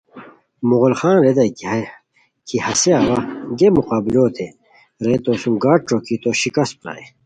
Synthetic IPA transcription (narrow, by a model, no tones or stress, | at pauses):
muɣolxaːnɾed̪ɐjki | kʰihɐseaːwɐɡemuqaːbiloːt̪ʰe | ɾet̪oːsumɡaːʈ̚ʈ͡ʂoːkit̪oːɕikɐs̚pla̰ːe